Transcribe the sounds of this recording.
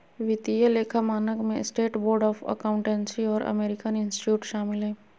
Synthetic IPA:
ʋɪt̪ijəleːkʰamaːnəkmẽsʈeːʈboːɾɖɔːfʰə̰kaʊ̃ɳʈɛ̃nsiɔːɾə̰meːɾɪkənɪ̃nsʈɪ̥ʈjuːʈʃaːmɪlɦɛ̃ː

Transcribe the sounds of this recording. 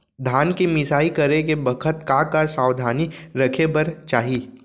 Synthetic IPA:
d̪ʱaːnkimɪsaːikɐɾekebɐkʰət̪kãkasaːwd̪ʱaːniɾɐkʰebɐɾt͡ʃaːɦiː

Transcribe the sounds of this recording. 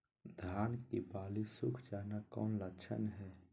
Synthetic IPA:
d̪ʱaːnkibaːlisʊkʰd͡ʒaːnakɔ̰ːnləkt͡ʃʰə̰nɦɛː

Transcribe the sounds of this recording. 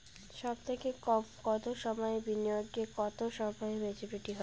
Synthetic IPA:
ʃɔb̚t̪ʰekekɔt̪oʃɔmɔebinioɡːekɔt̪oʃɔmɔebet͡ɕʰepiʈiɦɔ

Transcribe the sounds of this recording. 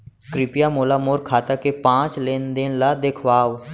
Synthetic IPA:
kɾɪpɪjaːmoːlaːmoːɾkʰaːt̪akepãːt͡ʃleːnd̪ɪnlaːd̪eːkʰwaː

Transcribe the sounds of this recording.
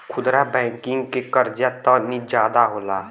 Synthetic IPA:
kʰʊd̪ɾabɛ̃ːŋkɪ̃ŋɡkekəɾd͡ʒjat̪ɔnid͡ʒjaːd̪aɦoːlaː

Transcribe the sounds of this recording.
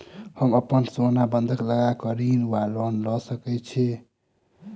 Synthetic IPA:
həməpənsonabənd̪ʱəkləɡakəɾinwalɔnlɔsəkɛt͡ʃʰɛ

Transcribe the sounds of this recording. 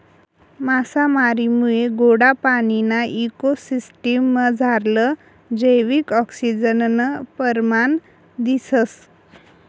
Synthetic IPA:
masamaɾimujeɡoɽapaninaʔikosisʈimːəd͡zʱaɾlə | d͡ʑəjʋikɔksid͡ʑənnəpəɾman | d̪isəs

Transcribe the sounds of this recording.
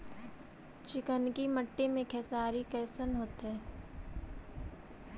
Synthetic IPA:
t͡ʃɪkənkiməʈːemẽkʰɛːsaːɾikɛːsənɦoːt̪ɦɛː

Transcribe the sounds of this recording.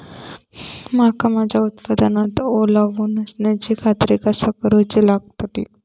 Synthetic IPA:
makamad͡ʑaut̪pəd̪anat̪olaʋunəsnad͡ʑikʰat̪ɾekasəkɾot͡ɕilaɡt̪at̪ḭ

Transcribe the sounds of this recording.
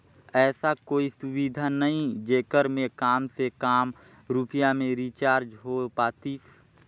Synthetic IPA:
ɛːsakoːisʊwid̪ʱanəɦĩd͡ʒeːkəɾmẽkaːmsekaːm | ɾuːpijamẽɾit͡ʃaːɾd͡ʒɦopaːt̪iːs

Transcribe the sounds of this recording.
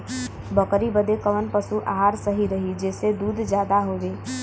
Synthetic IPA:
bəkɾibəd̪ekəʋənpəsuʔaɦaɾsəɦiɾəɦid͡ʒɛːsed̪uːd̪ʱd͡ʒjaːd̪aɦoːʋeː

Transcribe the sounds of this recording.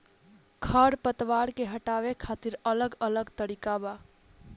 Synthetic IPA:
kʰəɾpət̪ʋaːɾkeɦəʈaːʋekʰaːt̪iɾələɡələɡt̪əɾikaba

